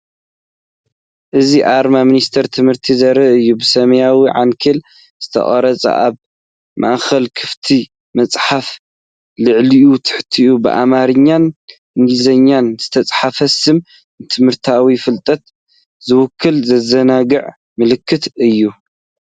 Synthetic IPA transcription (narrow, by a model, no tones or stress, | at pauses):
ʔɨziʔaɾmamɨnist̪ʰɐɾt̪ʰɨmhɨɾt̪ʰizɐɾɐʔɨjːubɨsɐmɐjawiʕaŋkʰɐl | z̥ɨt̪ʰɐ̰χʼɐ̰ɾɐt͡sʼɐ̰ʔaβ | mʔa̰ʔxɐlkʰɨft̪ʰi | mɐt͡sʼħaf | lɨʕliʔut̪ʰɨ̥ħt̪ʰiʔubɨ̰ʔa̰maɾɨɲːan | ʔɨŋɡizɐɲːanz̥ɨt̪ʰɐt͡sʼħafɐsɨm | t̪ʰɨmhɨɾt̪ʰawifɨlt̪ʼɐt̪ | zɨwʊkʰːɨlzɐzɐnaɡɨʕ | mɨlɨkʰːɨt̪ɨjːu